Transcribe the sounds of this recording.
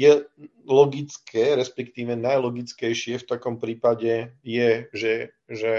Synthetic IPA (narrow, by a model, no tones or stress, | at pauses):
jɛ | lɔɡit͡skʰɛːɾɛspɛkt̪iːʋɛnajlɔɡit͡skɛjʃɪɛft̪akɔmpɾiːpaɟɛjɛʒɛ | ʒɛ